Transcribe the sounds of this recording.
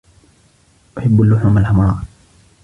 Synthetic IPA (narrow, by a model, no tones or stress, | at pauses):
ʔʊħabːalːʊħuːmalħamɾˤɑː